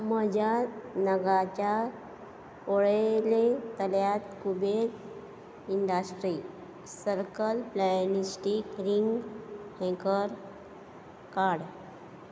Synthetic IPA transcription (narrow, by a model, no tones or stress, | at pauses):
məd͡ʑanəɡat͡ɕa | oɭelet̪əljat̪kubeɾ | iɳɖasʈɾi | səɾkəlplajnisʈikɾiŋɡhɛ̃kəɾ | kaɽ